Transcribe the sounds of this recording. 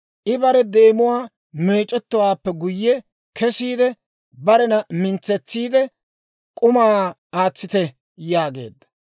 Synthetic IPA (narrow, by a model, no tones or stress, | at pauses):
ʔɪbɐɾɛd̪e̞ːmʊwaː | meːt͡ʃʼːɛt̪ːʊwaːpːɛɡʊjːɛ | kʰɛsiːd̪ɛ | bɐɾɛnɐmɪnt͡sːɛt͡sːiːd̪ɛ | kʼʊmaː | aːt͡sːɪt̪ɛ | jaːɡe̞̰ːd̪ːɐ̥